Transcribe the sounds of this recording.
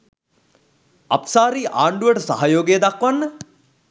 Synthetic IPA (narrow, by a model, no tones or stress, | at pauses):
ɐ̰psaːɾiːʔaːɳɖuʋəʈəsa̰ɦajoːɡejːd̪akʋanːə